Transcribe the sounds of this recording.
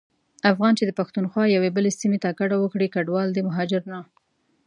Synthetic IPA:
afɣɑnt͡ʃed̪əpaxt̪unxwɑjawebəlesimet̪akaɽawəkɽikaɖwɑld̪əmaɦɑd͡ʒɪɾna

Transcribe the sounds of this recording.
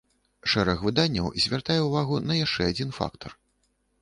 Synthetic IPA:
ʂɛɾɐxvɨd̪anʲːɐ̰wzʲvʲart̪ajɛwvaɣunɐjaʂt͡ʂɛad͡zʲin̪fa̰kt̪ʰɐr

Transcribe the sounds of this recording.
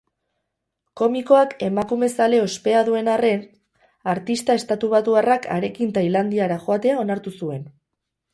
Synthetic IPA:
ko̞miko̞ake̞makume̞sale̞ospe̞aðue̞nare̞n | aɾt̪ist̪ae̞st̪at̪uβ̞at̪uarakʰa̰ɾe̞kint̪ailand̪iaɾaʝo̞at̪e̞ao̞naɾt̪usue̞n

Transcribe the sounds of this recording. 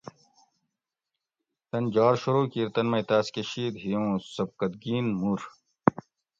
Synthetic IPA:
t̪ɐnd͡ʑaːɾɕuɾuːkiːɾt̪ɐnmɐjt̪aːskeɕiːd̪ɦijõːsɐb̚kɐd̪ɡiːnmuːɾ

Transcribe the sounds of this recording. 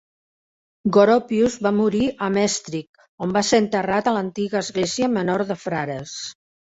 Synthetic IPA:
ɡoɾopjuzβamuɾiʔəmɛst̪ɾik̚ | ombaseənt̪ərat̪ələnt̪iɣəːzɣleziəmənoɾðəfɾaɾəs

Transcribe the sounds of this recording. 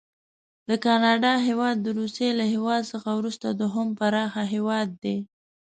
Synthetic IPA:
d̪əkɑnɑɖɑɦewɑd̪ːəɾuselahewɑd̪səxawɾust̪ad̪oɦʊmpaɾɑxaɦewɑd̪ːe

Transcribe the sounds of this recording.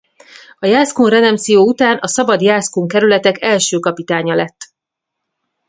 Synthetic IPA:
ɒjaːskonrɛd̪ɛmsijoːut̪aːnɒsɒbɒd̪jaːskoːŋkɛɾylɛt̪ɛkɛlʃøːkɒpit̪aːɲɒlɛt̪ː

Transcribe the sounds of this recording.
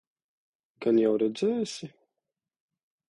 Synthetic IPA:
kanjawɾɛd̪zɛjsʲɪ

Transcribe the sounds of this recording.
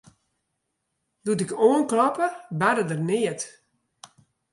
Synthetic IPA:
dutɪkoːənklɔpəbadədərnɪət

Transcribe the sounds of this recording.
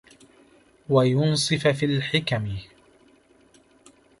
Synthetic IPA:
wajʊnsˤɨfafiːlħɪkamɪ

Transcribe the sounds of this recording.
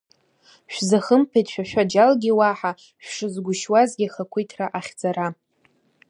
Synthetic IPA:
ʃᶣʷzaχəmpʰajtʃᶣaʃᶣad͡ʒalɡʲiwaħa | ʃʷᶣʂɨzɡʷʊʃwazɡʲiχakʷʰijtʰraʔaχʲd͡zaɾa

